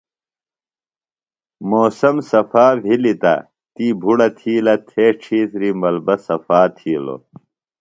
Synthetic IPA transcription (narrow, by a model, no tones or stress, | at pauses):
moːsɐmsɐfaːvʱilit̪ɐ̰ | t̪iːbʱuɽɐt̪ʰiːlɐt̪ʰeːʈ͡ʂʰiːsɾimɐlbɐsɐfaːt̪ʰiːlo̰